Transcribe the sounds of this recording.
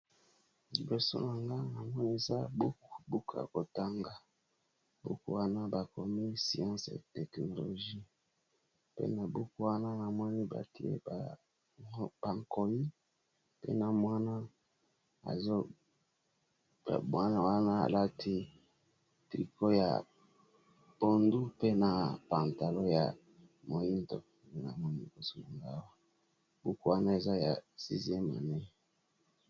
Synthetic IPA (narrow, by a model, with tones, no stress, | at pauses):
li˨bo˨so̰˦na˨ŋɡa˦na˨mɔ˦ni˦e˨za˦bu˦ku̥˨bu˦ka̰˨ko˨ta˦ŋɡa˨ | bṵ˦kṵ˦wa˦na˦ba˨ko˨mi˦si˨ã˦sḛ˨tɛ˨kno˨lo˨ʒi˦ | pḛ˦na˨bu˦ku˦wa˦na˦na˨mɔ˦ni˦ba̰˨ti˨ḛ˦b | ba˨ŋko˨ji˦ | pḛ˦na˨mwa˦na˦ | a̰˨zo˦ | ba̰˨bwa˦na˨wa˦na˦a̰˨la˦tʰi˦ | tɾi˨ko˦ja̰˨ | bo˨ndu˦pe˦na˨pa˨nta˨lo˦ja̰˨ | mo˨ji˦nto̰˨ | na̰˨mɔ˦ni˦˨bo˨su˦lu˨ŋɡa˦˨˦wa˦ | bu˦ku˦wa˦na˦e˨za˦ja̰˨sḭ˦zi˦e˦ma̰˨ne˦